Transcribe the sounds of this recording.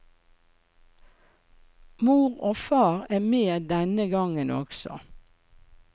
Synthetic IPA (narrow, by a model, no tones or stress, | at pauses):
muːʁoːfɑːʁæːmeːd̪ɛnəɡɑŋənʔɔ̰ksɔ̰